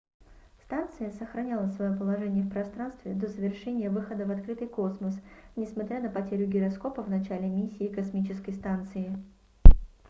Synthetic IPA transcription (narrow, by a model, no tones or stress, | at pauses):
st̪ant̪sɨjəsəxɾɐnʲalˠəsvɐjopəlˠɐʐɛnʲɪjəfpɾɐst̪ɾanst̪vʲɪd̪o̞zəvʲɪrʂɛnʲɪjəvɨxəd̪əvɐt̪kɾɨt̪ɨjko̞sməsnʲɪsmɐt̪ɾʲanəpɐtʲeɾʲʊɡʲɪɾɐsko̞pəvnɐt͡ɕælʲɪmʲisʲːɪːkɐsmʲit͡ɕɪskəjst̪ant̪sɨɪ